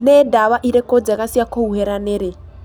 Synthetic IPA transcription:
nɛdaβaʔiɾɛkʼɔd͡zɛkasiakʰouɦɛɾanɛɾe

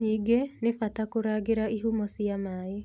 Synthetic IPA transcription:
niːɡenefatakoɾaːɡeɾaiɦumɔsiamaːe

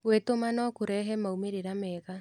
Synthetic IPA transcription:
wetomanɔkoɾɛɦɛmaumeɾeɾamɛːɣa

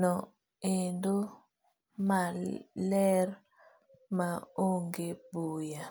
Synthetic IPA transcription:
nɔ | endo | malɛr | maoŋɡebuja

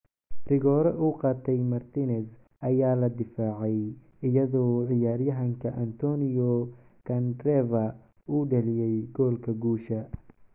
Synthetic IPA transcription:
rɪɣɔːɾɛʔuːqɑːt̪ʰɛjmɐrt̪ʰiːnɛs | ʔɐjaːlɐd̪ɪfaːʕɛj | ɪjɐðɔːʕɪjaːrjɐɦɐŋkʰɐʔɐnt̪ʰɔːnɪjɔ | kʰɐnd̪rɛvɐ | uːɖɐlɪjɛjɡɔːlkʰɐɡuːʃɐ

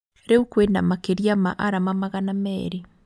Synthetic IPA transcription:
ɾeukwena̰makeɾjama̰ʔaɾamamaɣanamɛɾe

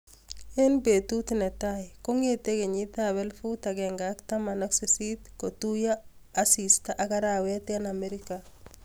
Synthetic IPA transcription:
enbetutnetajkoŋeteɡeɲitaβɛlfutaɡeŋɡaktamanɔksesitkotujaː | sistaʔakaɾawetianameɾika

